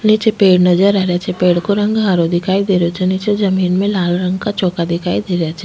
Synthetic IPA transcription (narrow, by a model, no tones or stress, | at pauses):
nit͡ʃepeːɽnɐzəɾɛɦɾjat͡ʃʰɛpeːɽkoɾɐ̃ŋɡɦaːɾod̪ɪkʰaːid̪eːɾeot͡ʃʰɛnit͡ʃezɐmiːnmẽlaːlɾə̃ŋɡkat͡ʃɔːkad̪ɪkʰaːid̪eːɾejat͡ʃʰɛ